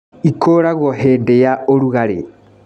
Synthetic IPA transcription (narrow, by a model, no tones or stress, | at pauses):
ikʰoːɾaɣwɔɦeːndejaoɾuɣaɾe